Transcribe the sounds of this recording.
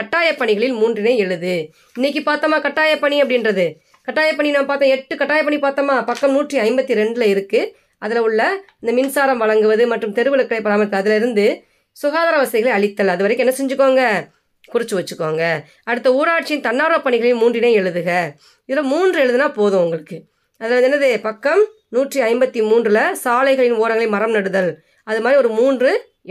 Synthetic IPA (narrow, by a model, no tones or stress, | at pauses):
kɐʈːaːjɐpːɐɳɪɣɐɭɪlmuːndrɪnɐɪɛɻɯðɯ | ɪnːɛk̬ːipaːɾt̪ɐmaːkɐʈːaːjɐpːɐɳiɐpːɐɽɪnrɐðɯ | kɐʈːaːjɐpːɐɳinaːɐpaːɾt̪õːɛʈːɯkɐʈːaːjɐp̬ːɐɳipaːɾt̪ɐmaːpɐkːɐmnuːʈriɐɪmbɐt̪ːiɾɛɳɖɪlɐɪɾɯkːɯ | ʔɐðɪlɐʊɭːɐɪnd̪ɐmɪnsaːɾɐmʋɐɭɐŋɡɯʋɐðɯmɐʈrɯmt̪ɛɾɯʋɯlɐkːɪɽɐɪpːɐɽaːmɐt̪ːɐðɪlɐɪɾɯnd̪ɯ | sʊɣaːðaːɾɐʋɐsɐðɪɣɐɭɐɭɪt̪ːɐlɐðɯʋɐɾɐɪkɯ̃ɛnːɐsɛɲd͡ʒɯkːoːŋɡɐ | kʊɾɪt͡ʃːɯʋɐt͡ʃːɯkːaːŋɡɐ | ɐɽɯt̪ːɐuːɾaːʈ̚t͡ʃɪjɪnt̪ɐnːaːɾɯɐpːɐɳɪɣɐɭɐjɯmːuːndrɪneːɛɭɯðɯɣɐ | ɪðɯlomuːndrɯɛɻɯðɯnaːpoːðɯ̃ʊŋɡɐɭɯkːɯ | ɐðɪlɐɾɯd̪ɛnːɐðepɐkːɐm | nuːʈriɐɪmbɐt̪ːimuːndrɪlɐsaːlɐɪɣɐɭɪnoːɾɐŋɡɐɭɐɪmɐɾɐmnɐɽɯðɐl | ɐðɯmaːd̪ɾiɔɾɯmuːndrɯ